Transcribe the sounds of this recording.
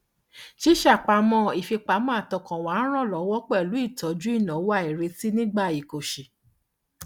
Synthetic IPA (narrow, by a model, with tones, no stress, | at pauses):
ʃi˦ʃa˦˨k͡pa˧˦mɔ̃˧i˨fi˧k͡pa˨˦mɔ̃˦a˦˨tɔ˨˧˨kɔ̃˨wa˨˦ɾ̃ã˦˨lɔ˨˦wɔ˦k͡pɛ˦˨lu˨˦i˦˨tɔ˨˦d͡ʒu˦i˦˨nã˨˦wa˦˨i˨ɾe˧˦ti˦nĩ˦ɡ͡ba˦˨i˨ko˨ʃe˨